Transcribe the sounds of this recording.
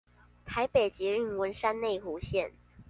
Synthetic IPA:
t̪ʰa˧˥ɪpe˨˩ɪt͡ɕjɛ˧˥y˥˩nwə˧˥nʂa˥nne˥˩ɪxu˧˥ɕjɛ˥˨n

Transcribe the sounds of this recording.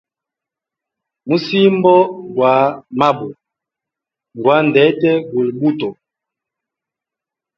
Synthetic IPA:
mu˦si˦mbɔ˦ɡwa˨˦ma˦bu˨ | ŋ˨ɡwa˨˦n˨dɛ˨˦tɛ˦ɡu˨lbu˦tɔ˨

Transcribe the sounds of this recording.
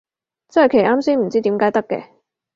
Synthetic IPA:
t͡sɐ˥nhɐ˨˩jkʰe˨˩jʔaː˥msiː˥m̩˨˩t͡siː˥t̪iː˨˥mkaː˨˧˥jt̪ɐ˥kːɛ̰ː˧

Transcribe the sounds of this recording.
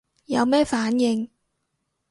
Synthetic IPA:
jɐ˨˧wmɛː˥faː˨˥njɪ˧ŋ

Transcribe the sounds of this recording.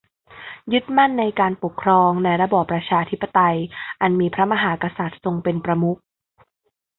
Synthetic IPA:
jɯ˦˥t̪̚ma˥˩nːa˧jkaː˧npo˨˩kʰːɾɔː˧ŋna˧jɾa˦˥bɔː˨˩pːɾa˧t͡ɕʰaː˧t̪ʰi˦˥pːa˧˨t̪a˧jʔa˧nmiː˧pʰɾa˦˥ma˧ɦaː˩˦ka˧sa˨˩t̪̚so˧ŋpe˧npɾa˧mu˦˥k̚

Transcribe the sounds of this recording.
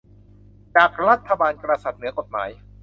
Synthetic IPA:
t͡ɕaː˨˩k̚ɾa˦˥t̪ʰːa˧baː˧nkɾa˧sa˨˩t̪̚nɯ˩˦ɐko˨˩t̪̚maː˩˦j

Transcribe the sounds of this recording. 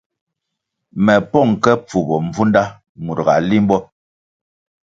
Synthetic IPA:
mɛ˨pɔ˦˨ŋkɛ˦p͡fu˨bɔ˨ɱ˨b͡vu˦nda˦ | mu˨ɾɡa̰˨li˦m˦bɔ˦

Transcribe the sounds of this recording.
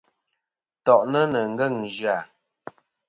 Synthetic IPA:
tɔ˨ʔnə˦nə˨ŋ̩˦ɡə˦˨ŋd͡ʒɰa˦˨

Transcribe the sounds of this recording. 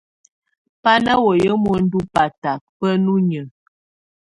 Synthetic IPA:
pa˦na˦wɔ˨jə˦mɔ˨˦n̩˦du˦pa˨ta˨k̚pə˦nu˦ɲə˨

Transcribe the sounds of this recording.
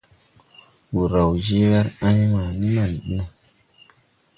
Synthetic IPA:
wu˨ɾa˨wd͡ʒe˦wɛ˦ɾa˦ɲma˨ni˦ma˨nɗe˦

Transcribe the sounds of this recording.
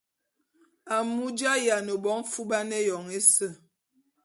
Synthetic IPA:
a˨mu˦d͡ʒa˦ja˨no˨ɓɔ˦ŋ˦fu˦ɓa˦nɛ˦jɔ˨ŋe˦sə˦˨

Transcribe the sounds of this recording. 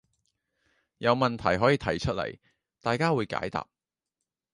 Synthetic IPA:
jɐ˨˧wmɐ˨nt̪ʰɐ˨˩jɦɔː˨˥jiː˧t̪ʰɐ˨˩jt͡ʃʰɵ˥t̚lɐ̰˨˩j | t̪aː˨jkaː˥wuː˨˧jka̰ː˨˥jt̪a̰ː˨p̚

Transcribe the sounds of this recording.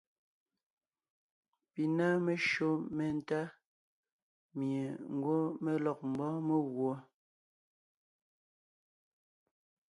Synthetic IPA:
pi˨na˦me˨ʃo˦me˨n˦˨ta˦ | mje˨ŋ̩˨˦ɡwo˦me˦lɔ˨k̚m̩˨bɔ˦me˦ɣwɔ˨˦

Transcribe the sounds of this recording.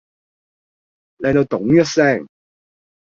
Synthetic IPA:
lɛ˨jt̪o˧wt̪ʊ˨˥ŋjœ˥t̚sɛ˥˩ŋ

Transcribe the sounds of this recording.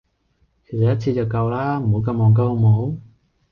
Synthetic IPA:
kʰe˨˩jsɐ˨jɐ˥t̚t͡sʰiː˧t͡sɐ˨˩wkɐ˧wlaː˥m̩˨˩ho˨˥wkɐ˧mːɔː˨ŋk̬ɐ˧who˨˧mo˨˥w

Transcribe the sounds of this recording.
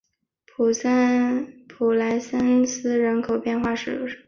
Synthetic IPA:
pʰu˨˩spʰu˨˩la˧˥ɪsa˥nsɹ̩˥˩ɻə˧˥nkʰo˨˩ʊpjɛ˥˧nxwa˥˩ʂɻ̩˨˩jo̰˧˥ʊʂ

